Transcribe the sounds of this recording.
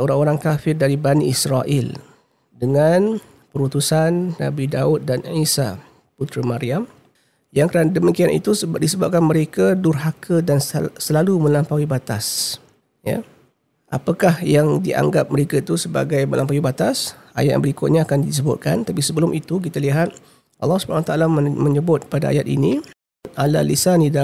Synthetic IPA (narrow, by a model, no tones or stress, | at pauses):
oɾaŋoɾaŋkafɪrdaɾibaniisɾaʔɪ̰l | dəŋan | pəɾut̪usanːa̰bidaut̪̚danʕisa̰ | put̪ɾəmaɾiam | jaŋkɾandəmikianḭt̪usəbadisəbap̚kanməɾekadurɦakʰədansəlalumə̃lampawibat̪as | ja̰ | ʔa̰pakahjaŋdiʔa̰ŋɡap̚məɾekait̪usəba̰ɡajbəlʔampawibat̪asajat̪̚bəɾikʊt̪̚ɲaakandis̬əbʊ̰t̪̚kant̪apisəbəlʊmʔit̪uk̬it̪aliɦat̪̚ | ʔɑ̰lːɑhsu̥bəanawat̪aalaməɲəbʊt̪̚padaa̰jat̪̚ḭni | ala̰lisanida